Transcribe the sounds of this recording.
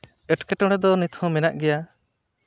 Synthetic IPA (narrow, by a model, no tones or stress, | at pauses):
ɛʈkɛʈɔɽ̃ɛd̪ɔnit̪ʰhɔ̃mɛnaʔɡɛja